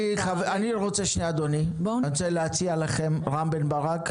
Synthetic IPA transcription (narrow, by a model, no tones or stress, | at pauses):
iχavaniʁot͡seʃnead̪onibt͡seleat͡sialaχemʁambenbaʁak